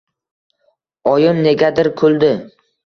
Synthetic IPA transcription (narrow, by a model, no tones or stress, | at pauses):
ɒjɪmne̞ɡʲad̪ɪɾkʰɵld̪ɪ